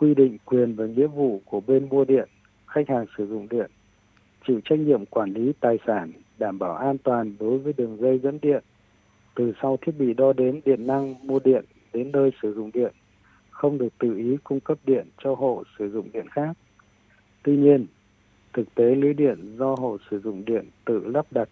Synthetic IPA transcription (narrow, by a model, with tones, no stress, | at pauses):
kwi˧ɗḭ˧˨ŋ̟kwi˨˩ənvaː˨˩ŋḭ˧˥əvṵ˧˨ku˧˩əɓe˧nmu˧əɗḭ˧˨ən | xa˦˥jk̟̚haː˨˩ŋsɨ˧˩zʊ̰˧˨ŋ͡mɗḭ˧˨ən | t͡ɕḭ˧˨wt͡ɕa˦˥jk̟̚ɲḭ˧˨əmkwaː˧˩nli˨˦t̪aː˨˩jsaː˧˩nɗaː˧˩mɓaː˧˩wʔaː˧nt̪waː˨˩nɗo˨˦jvəː˨˦jɗɨ˨˩əŋzə˧jzə̰˧˥nɗḭ˧˨ən | t̪ɨ˨˩sa˧wt̪ʰi˦˥ət̚ɓḭ˧˨ɗɔ˧ɗe˨˦nɗḭ˧˨ənːa˧ŋmu˧əɗḭ˧˨ən | ɗe˨˦nːəː˧jsɨ˧˩zʊ̰˧˨ŋ͡mɗḭ˧˨ən | xə˧wŋ͡mɗɨ˨˩ək̚t̪ɨ̰˧˨ʔi˨˦kʊ˧ŋ͡mkə˦˥p̚ɗḭ˧˨ənt͡ɕɔ˧ɦo̰˧˨sɨ˧˩zʊ̰˧˨ŋ͡mɗḭ˧˨ənxaː˦˥k̚ | t̪wi˧ɲi˧ən | t̪ʰɨ˨˩k̚t̪e˨˦li˨˦jɗḭ˧˨ənzɔ˧ɦo̰˧˨sɨ˧˩zʊ̰˧˨ŋ͡mɗḭ˧˨ənt̪ɨ̰˧˨lə˦˥p̚ɗa˨˩t̚